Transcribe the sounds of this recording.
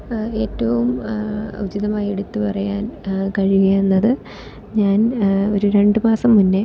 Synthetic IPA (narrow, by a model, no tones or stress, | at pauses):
e̞ːtːɐʋumɐ̰ud͡ʑiðɐmaːjeɽut̪ːupɐrɐjaːnkɐɻiʋeenːɐðɨ | ɲaːno̞ɾuɾe̞ɳɖɨmaːsɐmːunːe